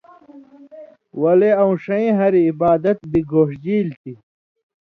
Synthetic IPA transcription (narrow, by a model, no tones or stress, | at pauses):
wɐleɐũʂɐĩɦɐɾiːbaːd̪ɐt̪̚biɡoːʂd͡ʑiːlt̪ʰi